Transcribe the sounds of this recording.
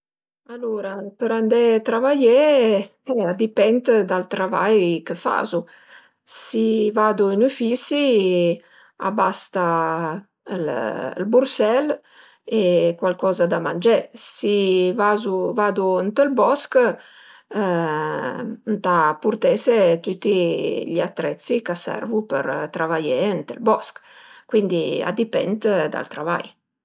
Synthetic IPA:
aluɾapəɾand̪ɛt̪ɾavaje | ɛad̪ipɛnt̪d̪alt̪ɾava̰jkəfa̰zu | sivad̪uinufisi | a̰bast̪a | l̰lbuɾsɛl | ekwalkɔːzad̪amand͡ʒɛsivazuvad̪uənt̪əlbɔsk | nt̪apurt̪ɛset̪ut̪ːiʎat̪ːɾɛt̪sːikasɛ̰rvupə̰ɾt̪ɾavajeənt̪ə̰lbɔskkwind̪ia̰d̪ipɛ̰nt̪d̪a̰lt̪ɾava̰j

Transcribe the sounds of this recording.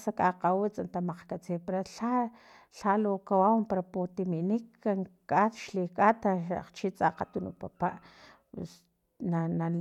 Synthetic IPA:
sakʼaqawit͡sʼant̪amaq͡χkat͡siːpeɾaɬa | ɬalokawampaɾapot̪imiʔnikːaŋkʼat̪ʃlikʼat̪aaq͡χt͡ʃit͡sʼaqat̪unṵpapaʔ | s | nanal

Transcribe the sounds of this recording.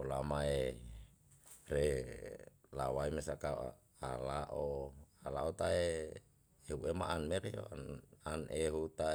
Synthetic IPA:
ola̰mae | re | lawaimesaka̰ | alaʔoalaot̪ae | eɦuemaʔanmeɾḛananeɦut̪a

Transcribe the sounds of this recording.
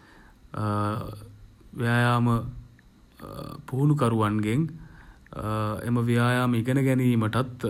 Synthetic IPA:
ʋijaːjaːmə | puɦunukɐɾuʋanɡeŋ | ḛməʋijaːjaːməiɡənəɡɛniːməʈat̪

